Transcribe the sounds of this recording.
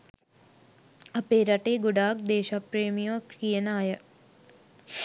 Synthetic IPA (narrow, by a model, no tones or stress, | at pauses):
ɐpeːɾɐʈeːɡʊɖaːk̚d̪eːʃapɾeːmijõːkijənaːjə